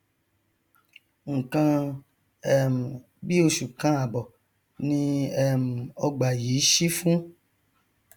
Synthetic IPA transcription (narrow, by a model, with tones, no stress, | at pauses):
ŋ̩˨kã˧ | ɛ˦˨m̩˨ | bi˦o˧ʃu˨kã˧˦a˨bɔ˨ | nĩ˧ɛ˦˨m̩˨ɔ˧ɡ͡ba˨ji˨˦ʃi˦fũ˦